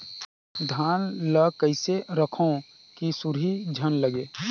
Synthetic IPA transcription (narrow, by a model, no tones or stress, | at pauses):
d̪ʱaːnləkəɪseɾəkʰõ | kisʊɾɦid͡ʒʱənləɡeː